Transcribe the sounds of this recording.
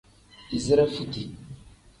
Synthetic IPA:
i˨zi˦ɾa˦fu˦ti˨

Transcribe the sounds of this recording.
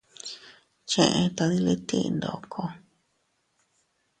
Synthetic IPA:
t͡ʃẽ˧ʔẽ˧t̪a˧ði˧li˦t̪ḭ̃˦˧nd̪o˨kʰo˧

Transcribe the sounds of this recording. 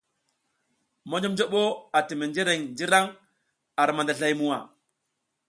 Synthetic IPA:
mo˦d͡ʒo˦md͡ʒo˦ɓo˦a˨ti˨me˨nd͡ʒe˦ɾe˨ŋd͡ʒi˦ɾa˦ŋ | a˨ɾma˨nda˨ɬa˦jmu˦wa˨

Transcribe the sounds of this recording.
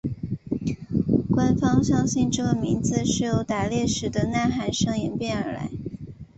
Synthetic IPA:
kwa˥nfɑ˥ŋɕjɑ˥ŋɕi˥˧nʈ͡ʂɤ˥˩ɡə˩mi˧˥nd͡zɹ̩˧ʂɻ̩˥˩jo˧˥ʊt̪a˨˩ljɛ˥˩ʂɻ̩˨˩d̪ə˧na˥˩nxa˧˥nʂɤ˥˩ŋjɛ˧˥npjɛ˥˩nə̰˞˧˥la̰˧˥ɪ

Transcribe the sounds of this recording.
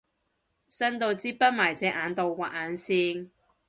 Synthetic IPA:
sɐ˥nt̪o˨˧wt͡siː˧˥p̚pːɐ˥t̚maː˨˩jt͡sɛː˨˧˥ʔaː˨˧nt̪o˨wwaː˨˩ʔaː˨˧nsiː˧n

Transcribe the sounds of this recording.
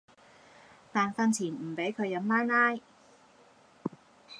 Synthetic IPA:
t̪aː˨nfɐ˧nt͡sʰiː˨˩nm̩˨˩pe˨˥jkʰɵ˨˧ɥjɐ˨˧˥mlaː˥jnaː˥j

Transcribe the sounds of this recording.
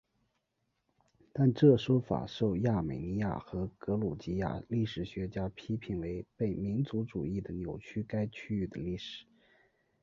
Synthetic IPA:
t̪a˥˧nʈ͡ʂɤ˥˩ʂwɔ˥fa̰˨˩ʂo˥˧ʊja˥˩me˨˩ɪni˧˥ja̰˥˩xɤ˧˥kɤ˧˥lu˨˩t͡ɕi˧˥ja̰˥˩li˥˩ʂɻ̩˨˩ɕɥɛ˧˥t͡ɕja˥pʰi˥pʰi˧˩nwe˧˥ɪpe˥˩ɪmi˧˥nt͡su˧˥ʈ͡ʂu˨˩i˥˩d̪ə˩njo˨˩ʊt͡ɕʰy˥ka˥ɪt͡ɕʰy˥y˥˩d̪ə̰˨˩li˥˩ʂɻ̩̥˨˩˦

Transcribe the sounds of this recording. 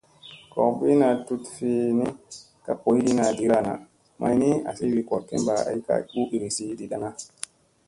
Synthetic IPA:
kɔ̰˨kvi˦na˧tu˧tfe˧ni˦ | ka˦po˨˦jɗi˦na˨di˨˦ɾa˨na̰˨ | mʔa̰˧˨jni˦a̰˨si˦wi˧ko˨ɾkḛ˦mba˨a̰˨i˦ka̰˦ɓu˦i˨ɾi˨si˦ɗi˨ɗa˦ŋa˦

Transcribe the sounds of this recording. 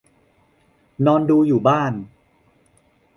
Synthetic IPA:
nɔː˧nduː˧juː˨˩baː˥˩n

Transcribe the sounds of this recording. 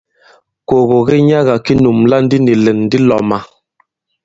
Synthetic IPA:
ko˨ɣo˨ɣɛ˦ɲa˦ɣa˨ki˦nu˨mla˦n̩˦di˦ni˨lɛ˨nː˦di˦lɔ˨ma˨

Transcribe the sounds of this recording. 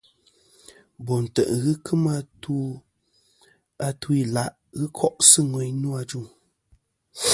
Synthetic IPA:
bɔ˨n̩˨tə̰˨ʔɣɨ˦kʰɨ˦ma˦tu˦ | a˨tu˦i˨la˦ʔ | ɣɨ˦kʰɔ˦ʔsɨ˦ŋwɛ˨ɲ˦nu˦a˨d͡ʒu˦˨

